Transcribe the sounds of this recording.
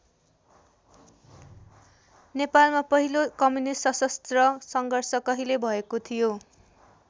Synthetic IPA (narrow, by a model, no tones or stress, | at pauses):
nepalmapʌɦilokʌmunissʌsʌst̪rʌsʌŋɡʱʌrsʌkʌɦilebʱʌekot̪ʰijo